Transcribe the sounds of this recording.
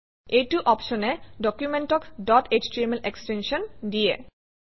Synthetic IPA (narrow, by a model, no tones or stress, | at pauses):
ejtuʔɔpʃɔnedɔkjumenʈɔkdɔtet͡ɕtemelekstenʃɔndijḛ